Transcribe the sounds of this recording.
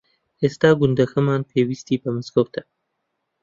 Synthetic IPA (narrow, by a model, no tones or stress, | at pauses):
est̪ɑːɡund̪ɐxɐmɑːnpʰeːwist̪iːbɐmɨskowt̪ʰɐ